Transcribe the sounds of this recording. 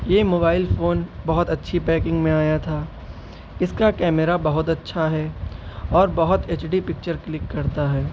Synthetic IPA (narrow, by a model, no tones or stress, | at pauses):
jeːmoːbaːɪlfoːnbɐɦʊt̪ɐtːʃʰipɛːkɪ̃ŋɡmẽaːjat̪ʰaː | ɪskakɛːmeɾabɐɦʊt̪ɐtːʃʰaɦɛːɔːɾbɐɦʊt̪eːt͡ʃɖipɪk̚t͡ʃəɾklɪkːɐɾt̪aɦɛː